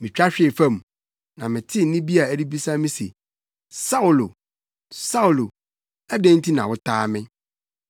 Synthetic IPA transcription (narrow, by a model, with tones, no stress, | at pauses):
mɪ̃˨t͡ɕᶣa˦ɕᶣɪ˨fã˦˨m˨ | nã˨mɪ̃˨tʰɪ˦nɪ̃˦bi˦a˨æ˨di˦bi˦sa˦mɪ̃˦sḛ˨ | sa˦ʊ˨lo˨ | sa˦wlo˨ | æ˦dæ̃˦ntʰi˦nã̰˨wʊ˦tʰaː˦mɪ̃˦